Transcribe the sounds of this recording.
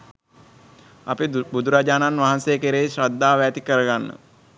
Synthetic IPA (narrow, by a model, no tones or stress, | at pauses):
apebud̪ʱuɾad͡ʒaːnanʋaɦansejkeɾeɕɾad̪ːaːʋæːt̪ikəɾəɡanːə̰